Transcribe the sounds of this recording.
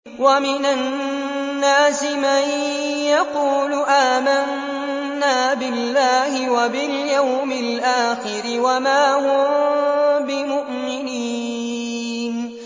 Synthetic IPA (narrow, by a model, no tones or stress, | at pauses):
wamɪnanː | aːsɪmaj | jaquːlʊʔaːmanː | aːbɪlːaːhɪwabɪljawmɪlʔaːxɪɾɪwamaːɦʊ | bɪmʊʔmɪniː | n